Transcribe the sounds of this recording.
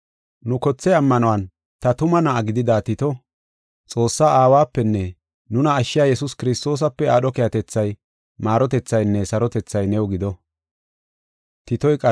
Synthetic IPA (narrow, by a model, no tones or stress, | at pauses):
nʊkɔt͡sːɛɐmːɐnɔwɐn | t̪ɐt̪ʊmɐnɐʔɐɡɪd̪ɪd̪aːt̪ɪt̪ɔ | t͡sʼo̞ːsːaːaːwaːpːɛnːɛ | nʊnɐːʃːɪjaːjɛsʊskɪɾɪst̪o̞ːs̬ɐpːɛaːɗɔkɛjɐt̪ɛt͡sːɐj | maːɾɔt̪ɛt͡sːɐjnːɛsɐɾɔt̪ɛt͡sːɐjnɛwɡɪd̪ɔ | t̪ɪt̪ɔjkʼɐ